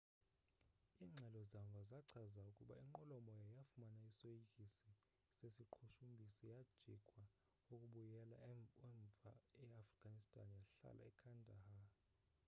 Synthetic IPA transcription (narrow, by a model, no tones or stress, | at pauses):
iːŋ͡ǀʱɛlɔzaɱvʱazaǀʰazaukʼuɓa̰iŋ͡ǃɔlɔmɔjajafumanaisojikʼisi | sesiǃʰuʃumbʱisijad̥ʒ̥ʱikʼwa | ukʼuɓujɛla̰ɛɱvʱa̰ɛafriɡ̥ʱanistʼa̰njaɬa̰lʔa̰ɛkʰandʱaha